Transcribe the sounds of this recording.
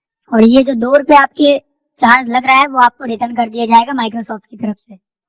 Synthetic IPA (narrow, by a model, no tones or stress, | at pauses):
ɔːɾjed͡ʒoːd̪oːɾʊpeaːp̚ke | t͡ʃãːɾzlɐɡɾaaɦɛʋoaːp̚koɾeʈənkɐɾd̪ijad͡ʒaːeːɡamaːɪkɾosɔːfʈ̚kit̪ɐɾəfse